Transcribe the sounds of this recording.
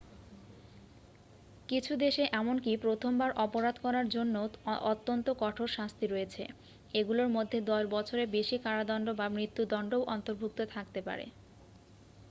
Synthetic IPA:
kit͡ɕʰud̪eʃeʔɛmonkipɾot̪ʰombaɾʔɔpoɾad̪kɔɾaɾd͡ʑonːoot̪ːont̪okɔʈʰoɾʃast̪iɾoet͡ɕʰe | eɡuloɾmod̪ʱːed̪ɔʃbɔt͡ɕʰoɾebeʃikaɾad̪ɔnɖobamɾit̪ːud̪ɔɳɖowʔɔnt̪oɾbʱuk̚t̪ot̪ʰakt̪epa̰ɾḛ

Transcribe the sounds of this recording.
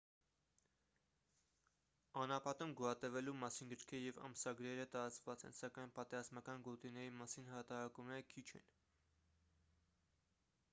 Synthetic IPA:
ɑnɑpʰɑt̪umɡuɑt̪ɛvɛlumɑsinɡəɾkʰɛɾjɛvɑ̰msɑɡɾɛɾət̪ɑɾɑt͡svɑt͡sɛ̰nsɑkɑjnpɑt̪ɛɾɑzmɑkɑnɡɔt̪inɛɾimɑsinhɑt̪ɑɾɑkumnɛɾəkʰit͡ʃʰɛ̰n

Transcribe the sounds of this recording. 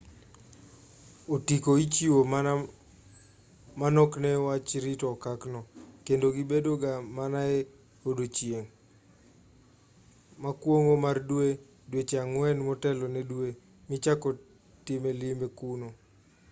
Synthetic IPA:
otikoit͡ʃiwo | manɔknɛwat͡ʃɾitɔkaknɔkendoɡibedoɡamanaɛ | odot͡ʃjeŋ | makwoŋomardwe | dwet͡ʃeaŋwɛnmɔtɛlɔnedwe | mɪt͡ʃakɔ | timelimbekuno

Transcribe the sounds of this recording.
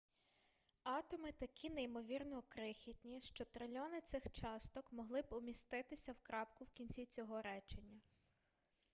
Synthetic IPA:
ɑt̪ɔmɪt̪ɐkʲʰinejmɔʋʲirnɔkɾɪxʲitʲnʲiʃt͡ʃɔt̪ɾelʲɔnɪt̪sɪxt͡ʃɑst̪ɔkmɔɦlˠɪbɔmʲist̪ɪt̪ɪsʲɐwkɾɑpkʊwkʲinʲt͡sʲit͡sʲɔɦɔɾɛt͡ʃenʲːɐ

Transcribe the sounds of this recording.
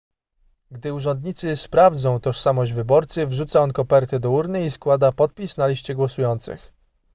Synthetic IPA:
ɡd̪ɘuʐɛnd̪ɲit̪sɘspɾavd̪zɔ̃w̃t̪ɔʂsamɔʑd͡ʑvɘbɔɾt̪sɘvʐut̪saɔnkɔpɛɾt̪ɘd̪ɔuɾnɘiskwad̪apɔt̪̚pʲisnalʲiɕt͡ɕɛɡwɔsujɔnt̪sɘ̰x

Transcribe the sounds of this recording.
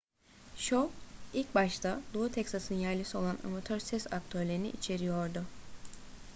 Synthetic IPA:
ʃoilʲcbaʃt̪ʰalˠuut̪ʰɛksasɯnjæɾlʲisio̞lˠana̰mat̪ʰø̞ɾsɛsak̚t̪ʰø̞ɾlʲe̞ɾinḭʔit͡ʃʰe̞ɾijo̞ɾd̪ʊ

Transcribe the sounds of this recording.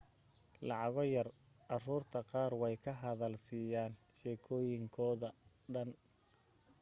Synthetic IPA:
lɑʕɑɣɔjɐr | ʔɑruːrt̪ʰɐqɑːrwɛjkʰɐɦɐðɐlsiːjaːn | ʃɛːkʰɔːjɪŋkʰɔːðɐ | ɖɐn

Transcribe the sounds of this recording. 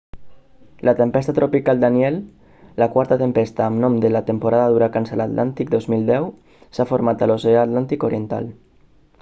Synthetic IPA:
lət̪empɛst̪at̪ɾopikalˠd̪aniɛlː | əkwaɾt̪ət̪əmpɛst̪aːmnɔmd̪əlat̪əmpoɾaðaðuɾakansəlat̪lʔa̰nt̪ik̚d̪ozmilˠd̪ɛw | safoɾmat̪əloseaːt̪lant̪ikoɾient̪a̰l

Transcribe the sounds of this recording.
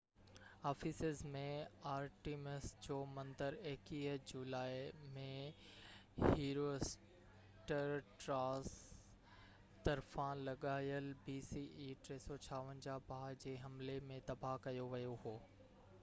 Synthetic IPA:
aːfisɪzmẽaːɾʈiːmesd͡ʑoːmɐ̃nd̪əɾeɦkiːɦd͡ʑuːlaːimẽ | ɦiːɾos | ʈəɾʈɾaːs | t̪ɐɾfãlɐɠaːjəlbiːsiːʔiːʈɾeːsɔt͡ɕʰaːʋə̃nd͡ʑabʱaːɦd͡ʑeːɦɐmlemẽt̪ɐbʱakɐjoʋɐjoɦoː

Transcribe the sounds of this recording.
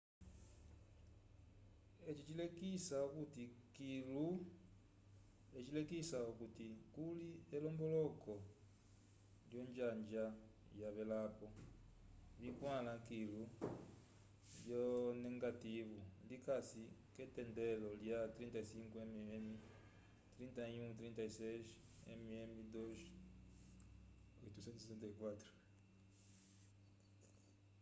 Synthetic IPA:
et͡ʃit͡ʃilekisaukutikilu | et͡ʃilekisaukutikulielɔmbɔlɔkɔ | ljoɲd͡ʒaɲd͡ʒa | jaβɛlapɔ | βikwalakilu | ljoneŋɡativulikasiketendeloljat̪ɾintaisiŋkuememi | t̪ɾintaiɲut̪ɾintaiseʃ | ḛmiemidoʃ | oitusentsesentaikwatɾo

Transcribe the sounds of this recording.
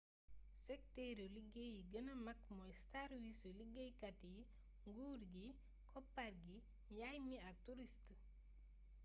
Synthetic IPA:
sɛk̚tɛɾoliɡejiɡənɐmɐkmɔjstaɾwisuliɡejkati | ŋɡuːɾɡi | kʰɔpːarɡi | jajmiɐk̚tuɾist

